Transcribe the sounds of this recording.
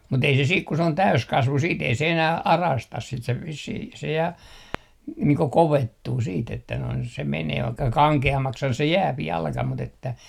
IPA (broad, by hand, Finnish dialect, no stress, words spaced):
mut ei se siːk ku se on tæyskɑsʋu siːt ei se enæh ɑrɑstɑs sit se ʋisːih jɑ niːŋ ko koʋetːuː siːt etːæ noin se meneː ʋɑikːɑ kɑŋkeɑmːɑkshɑn se jæːp jɑlkɑ mut etːæ